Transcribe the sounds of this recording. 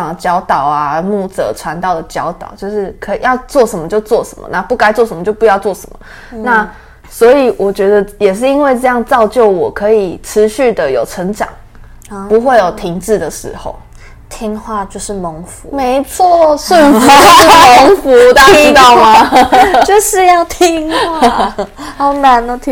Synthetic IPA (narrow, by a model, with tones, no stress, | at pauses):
ŋt͡ɕjɑ˧˥ʊt̪ɑ˨˩ʊa˦mu˥˩t͡sɤ̰˨˩˦ʈ͡ʂʰwa˧˦nt̪ɑ˥˩ʊd̪ə˩t͡ɕjɑ˧˥ʊt̪ɑ˨˩ʊt͡ɕjo˥˧ʊʂɻ̩˥˩kʰɤ˧˥i˨˩jɑ˥˧ʊt͡swɔ˥˩ʂə˧˥nmə˧˩t͡ɕjo˥˧ʊt͡swɔ˥˩ʂə̰˨˧˦nmə̰˨na˥˧pu˥˩ka˥ɪt͡swʂə˧˦mə˧t͡ɕjo˥˧ʊpu˧jɑ˥˧ʊt͡swɔ˥˩ʂə˧˦nmə̰˨˩ | na˥˨ | swɔ˧˥i˨˩wʔɔ˨˩t͡ɕɥɛ˧˥d̪ə˧jɛ˨˩ʂ̬ɻ̩˥˩i˥nwe˥˧ɪʈ͡ʂɤ˥˧jɑ˥˧ŋt͡sɑ˥˧ʊt͡ɕjo˥˩ʊwɔ˨˩kʰɤ˧˥i˨˩ʈ͡ʂʰɻ̩˧˥ɕy˥˩d̪ə˨jo˨˩ʊʈ͡ʂʰə˧˥ŋʈ͡ʂɑ̰˨˩˦ŋ | pu˧˥xwe˥˩ɪjo˨˩ʊt̪ʰi˧˥ŋʈ͡ʂɻ̩˥˩d̪ə˩ʂɻ̩̰˧˥˦xo̰˨˩ʊ | t̪ʰi˧˥ŋxwa˥˧t͡ɕjo˥˧ʊʂɻ̩˥˩mə˧˥ŋfṵ˨˧˦me˧˦˥ɪt͡sʰɔ˥˧swə˥˨˩nu˥ə˧˥ŋfu˨˦˨t̪a˥˧˥t̪ɑ˥˩ʊma˨t͡ɕjo˥˧ʊʂɻ̩˥˧jɑ˥˩ʊt̪ʰi˦˥ŋxwa˥˩o˧˥na˧˥nə˧t̪ʰ